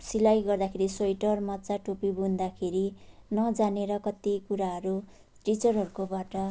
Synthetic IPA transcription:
silajɡʌrd̪akʰeɾisojʈʌrmʌtːt͡saʈopibund̪akʰeɾinʌd͡zaneɾʌkʌt̪ikuɾaɦʌɾu | ʈit͡sʌrɦʌɾukobaʈʌ

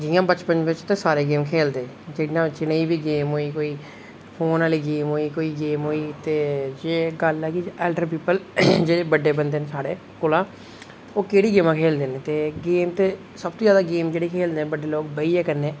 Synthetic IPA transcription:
d͡ʒɪjãːbət͡ʃpənʋɪt͡ʃt̪ẽsaːɾeːɡeːmkʰeːld̪eː | d͡ʒɪɽijãːt͡ʃɪneːiːbiːɡeːmɦoːiːkoːiː | pʰoːnaːliːɡeːmɦoːiːkoːiːɡeːmɦoːiːt̪eːd͡ʒeːɡəlɛːkiɛːlɖəɾpiːpəld͡ʒeːɽeːbəɖːeːbənd̪eːnsaːɽeː | kʊlãː | oːkeːɽiːɡeːmãːkʰeːld̪eːnẽːt̪eːɡeːmt̪eː | səbt̪õːjaːd̪aːɡeːmd͡ʒeːɽiːkʰeːld̪eːnbəɖeːloːkbəiːɛːkənːeː

